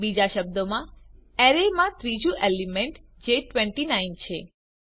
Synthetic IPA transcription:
bid͡ʒaʃəb̚d̪omãɛɾemãt̪ɾid͡ʒũʔelimeɳʈd͡ʒeʈʋeɳʈinaint͡ʃʰe

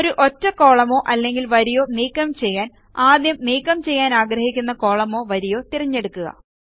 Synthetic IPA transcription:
oɾuʔo̞tːɐko̞ːɭɐmo̞ːʔɐlːe̞ŋɡilʋɐɾijo̞ːniːkːɐmt͡ɕe̞jːaːn | aːd̪jɐmniːkːɐmt͡ɕe̞jːaːnaːɡrɐhikʲːunːɐko̞ːɭɐmo̞ːʋɐɾijo̞ːt̪irɐɲːe̞ɽukːuɣɐ̰

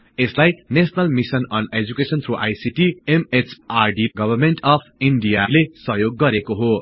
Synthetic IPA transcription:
eslajnesnʌlmisʌnʌned͡zukesʌnt̪ʰruʔajsiʈiemet͡sʰarɖiɡʌbʱʌrmenʈʌpʰiɳɖijalesʌɦjoɡːʌɾekoɦo

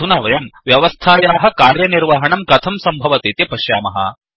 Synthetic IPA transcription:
unaːʋɐjɐmʋjɐʋɐst̪ʰaːjaːɦɐ̆kaːɾjɐniɾʋaːɦɐɳɐmkɐt̪ʰɐmsɐmbʱɐʋɐt̪it̪jɐpɐʃjaːmɐɦɐ̰

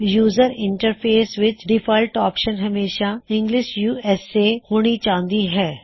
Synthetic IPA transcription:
juːzəɾɪ̃ɳʈəɾpʰeːsʋɪt͡ʃɖɪfʰaːɪlʈɔːpʃənɦɐmeːʃaɪ̃ŋɡlɪʃjuːɛsːehoːɽ̃it͡ʃaːɦnd̪iɦɛː

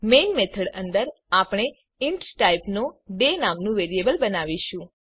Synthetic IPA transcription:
menmet̪ʰəɽənd̪əɾ | apɳ̃e | ɪɳʈsʈaipnoɖenamnũʋeɾiebəlbənaʋiʃũ

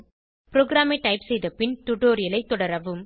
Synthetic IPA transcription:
pɾoːɡɾaːmɐɪʈɐɪpsɛjðɐpɪnt̪ʊɽoːɾɪlɐɪt̪ːɔɽɐɾɐʋɯm

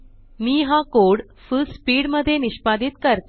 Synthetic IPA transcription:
miːɦakoɽ | fulspiːɽməd̪ʱːjeniɕpad̪it̪kəɾt̪

